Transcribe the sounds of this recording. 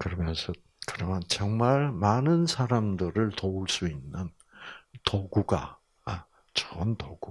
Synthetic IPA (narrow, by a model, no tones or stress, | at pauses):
kɯɾʌmjʌnsʰʌ | kɯɾʌmjʌnt͡ɕʌŋmaɭmanɯnsʰaɾamdɯɾɯɭtouɭs͈uinːɯn | toɡuɡa̰ | t͡ɕʌntoɡu